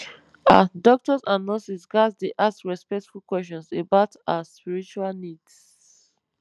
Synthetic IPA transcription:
a̰dɔk̚tɔzãnːɔsisɡasdeʔaskɹɛspɛk̚tfulkwɛsɔ̃nsebaʊtaspiɹit͡ʃualnids

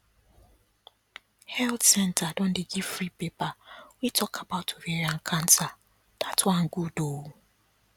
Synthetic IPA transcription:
hɛltsɛntʰadɔ̃n̩dɪɡivfɾipepawitʰɔkʰabaʊtʰoɾiɛɾaŋ̩kʰan̩ta | d̥atʰʊaŋ̩ɡudou

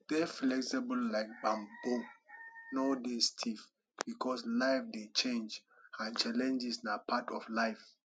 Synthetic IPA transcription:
d̥ɛflɛksibəlːaɪk̚bãmbõ | nodestʰif | bikʰɔslaɪfdet͡ʃẽnd͡ʒ | ãnt͡ʃalɛ̃nd͡ʒisnapʰatɔflaɪf

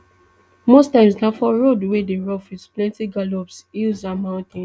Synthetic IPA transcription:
mostãɪ̃msnãfɔɹodwedeɹɔfisplɛ̃ntiɡalɔpsilzamãʊ̃ntɛ̃

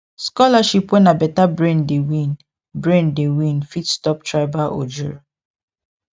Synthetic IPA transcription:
skɔlaʃipwɛ̃nabɛtabɹẽndewĩn | bɹẽndewĩnfitstɔp̚tʰɹaɪbaʔo̰d͡ʒuɹ

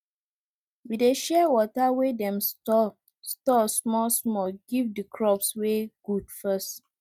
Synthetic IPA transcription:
wideʃɛwɔtawedɛ̃mstɔ | stɔsmɔsmɔɡivdikʰɹɔpsweɡ̥udfɛst

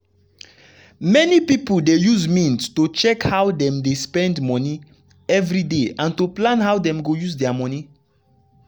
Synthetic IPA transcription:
mɛnipipuldejuzmĩnstot͡ʃɛkhawdɛ̃mdespɛ̃ndmɔni | ɛvɾideãntoplãnɦawdɛ̃mɡojuzdɛamɔ̃ni

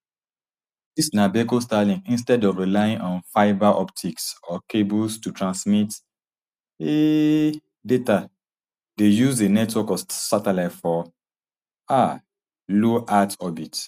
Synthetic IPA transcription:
disnabekostalĩŋĩnstɛdɔvɹilaɪĩŋɔ̃nfaɪbaʔɔptʰiksɔkʰebulstutʰɹãnsmit | e | deta | dejuzenɛtwɔkɔsatɛlaɪtfɔ | a | loʔatɔbit

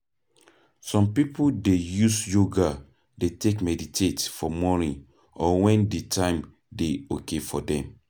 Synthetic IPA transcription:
sɔ̃mpipodejusjoɡa | detekmɛditʰetfɔmɔnĩn | ɔwɛ̃nditʰãɪ̃m | deokefɔdɛ̃m

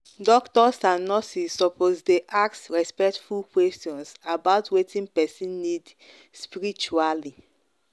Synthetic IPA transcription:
dɔktɔsãnɔsisɔpozdeʔaksɹɛspɛktfulkwɛstiɔ̃nsabaʊtwetʰĩnpɛsĩnːid | spiɹit͡ʃuali

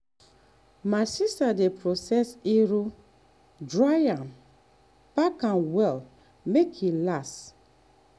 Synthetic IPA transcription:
maɪsistadepɹosɛsiɹo | dɹajãn | pakãnwɛl | mekhilast

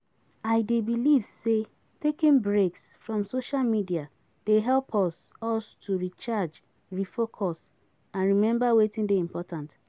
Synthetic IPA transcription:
aɪdebilivse | tekĩnbɹeksfɹɔ̃msoʃalmidia | d̥eɦɛlpʰɔsɔstʰuɹit͡ʃad͡ʒ | ɹifokʰɔs | ãnɹimɛ̃mbawetɪ̃ndeĩmpɔtãnt

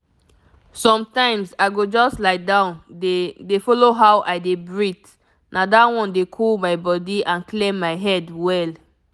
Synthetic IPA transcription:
sɔ̃mtãɪ̃msaɪɡod͡ʒɔslaɪdãʊ̃nedefɔloɦawʔaɪdebɹit | nʔadawɔ̃ndekʰulmaɪbɔdiãnklẽmːaɪɦɛdwɛl

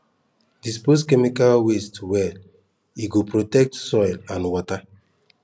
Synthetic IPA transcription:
dis̬poskemikalwestwɛ | iɡopɾotɛk̚tsɔjlãnwɔta

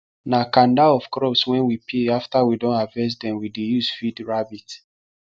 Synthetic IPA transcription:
nakãndaɔv̥kɾɔpswɛ̃nwipʰeaftawidõnavɛs̬dɛ̃mwidejusfidɹabit

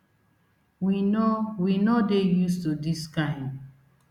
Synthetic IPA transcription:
winowinodejustudiskãɪ̃nd

